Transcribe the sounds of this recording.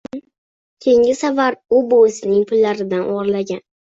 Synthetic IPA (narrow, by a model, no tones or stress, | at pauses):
kʲʰeŋɪsavaɾʊboɪsɪnɪŋpʰʊlːaɾɪd̪anʔɒʁɾlaɡʲan